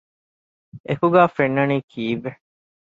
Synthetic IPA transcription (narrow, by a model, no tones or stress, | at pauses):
ekuɡæːfenːɐniːkʰiːʋːe